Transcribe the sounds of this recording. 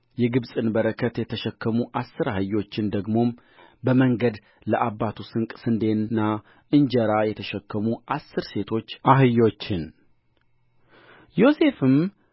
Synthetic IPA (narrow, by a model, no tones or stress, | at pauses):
jɛɡɨbsʼɨnbəɾəkʰːət̪jɛt̪ʰəʃɛkːəmuʔasːɨɾahɨjːo̞t͡ʃːɪnd̪əɡmo̞m | bəməŋɡəd̪ | ləʔabːat̪ʰusɨŋkʼsɨnd̪e̞nːa | ʔɨɲd͡ʒəɾajɛt̪ʰəʃɛkːəmuʔasːɨɾse̞t̪ʰo̞t͡ʃːʔaɦɨjːo̞t͡ʃːɪn | jo̞se̞fɨm